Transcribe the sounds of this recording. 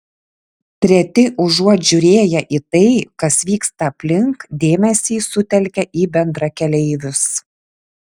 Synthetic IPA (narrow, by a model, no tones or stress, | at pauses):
t̪ʲɾʲɛt̪ʲɪʔʊʒuɔʒʲʊɾʲeːjɛʔiːt̪ɐɪkɐsʋʲiːkst̪ɐːpʲlʲɪŋkd̪ʲeːmʲɛsʲiːsʊt̪ʲɛlʲkʲɛʔiːbʲɛnd̪ɾɐkʲɛlʲɛɪʋʲʊs